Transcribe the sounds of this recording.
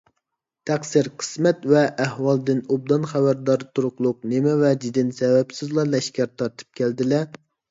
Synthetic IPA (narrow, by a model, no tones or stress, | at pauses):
t̪ʰæχsiɾqʰə̥smɛt̪vɛʔːhwɑlˠd̪ɨnub̚d̪ɑnχæbæɾd̪ɑɾt̪ʰuɾʊqlˠʊq̚nɪmɛvɛd͡ʒid̪ɪnsɛwɛpsɪzlˠɑlɛʃkʲæɾt̪ʰɑɾt̪ʰɨ̥p̚kʲʰæld̪ɪlɛ